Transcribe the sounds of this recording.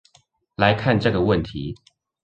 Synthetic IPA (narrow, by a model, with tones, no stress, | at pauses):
la˨˦ɪkʰa˥˨nʈ͡ʂɤ˥˩ɡə˨wə˥˨nt̪ʰi˨˦